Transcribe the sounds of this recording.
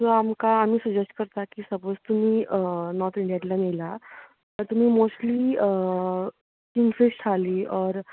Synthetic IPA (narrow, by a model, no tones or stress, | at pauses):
toamkaamĩsud͡ʒɛsʈ̚kəɾt̪akisɐpoːst̪um̤ĩnɔːɾt̪ʰɪ̃ɳɖijaʈlãnela | ɔɾt̪um̤ĩmoːsʈli | kiŋɡfesʈʰaliɔːɾ